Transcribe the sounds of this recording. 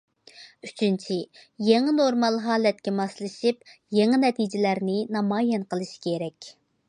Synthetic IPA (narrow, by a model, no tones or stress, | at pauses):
yt͡ʃʰynt͡ʃʰijeŋɨnoɾmɑlˠɦɑːlɛt̪kʲɛmɑslˠɨʃipjeŋɨnɛt̪ʰid͡ʒɪlæɾnɪnɑmɑːjɛnqəlˠɨʃi̥kʲʰeɾɛkʲ